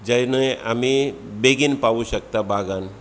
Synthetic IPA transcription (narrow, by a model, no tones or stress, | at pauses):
d͡ʒajnəa̰mi | beɡinpaʋuɕək̚t̪abʱaɡan